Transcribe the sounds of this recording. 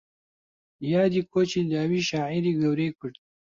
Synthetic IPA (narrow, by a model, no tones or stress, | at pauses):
jaːd̪iːkoːt͡ʃid̪aːwiːʃaːʕiɾiɡɐwɾeːkʊɽt̪̚